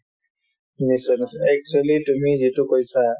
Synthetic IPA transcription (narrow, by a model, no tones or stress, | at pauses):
nisənsɛk̚t͡ʃualitumizitukojsa